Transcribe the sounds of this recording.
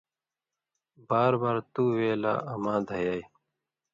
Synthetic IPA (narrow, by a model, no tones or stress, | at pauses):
baːɾbaːɾt̪uːweːla̰ːɐmãːd̪ʱɐjaːj